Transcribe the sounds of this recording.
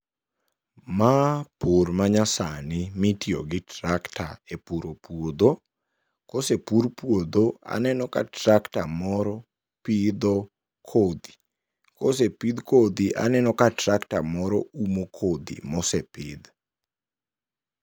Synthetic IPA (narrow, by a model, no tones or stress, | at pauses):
mapurmaɲasanɪmitio̰ɡɪtɾakta̰epuɾopwod̪o | kosepuɾpwod̪oa̰nɛnɔkatɾaktamɔɾɔ | pid̪ɔ | kʰod̪i̥ | kosepid̪kod̪iʔa̰nɛnɔkatraktamɔɾɔumokʰod̪ḭmɔsɛpɪd̪